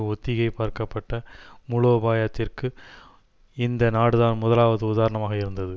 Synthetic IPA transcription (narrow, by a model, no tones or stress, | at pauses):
ɔt̪ːɪɣɐɪpaːɾkɐpːɐʈːɐmʊɻoːbaːjɐt̪ːɪrkɯ | ɪnd̪ɐnaːɽɯðaːnmʊðɐlaːʋɐðɯʊðaːɾɐɳɐmaːɣɐɪɾɯnd̪ɐðɯ